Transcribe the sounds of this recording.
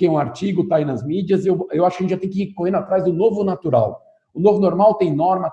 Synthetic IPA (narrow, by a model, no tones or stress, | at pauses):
kẽũaɾt͡ʃiɡʊt̪ainɐzmid͡ʒiɐzewewaʃʊkɐẽt͡ʃɪʒat̪ẽkɪikohẽnat̪ɾajzd̪ʊnovʊnat̪uɾa̰w | ʊnovʊnoɾmawt̪ẽj̃nɔɾmɐ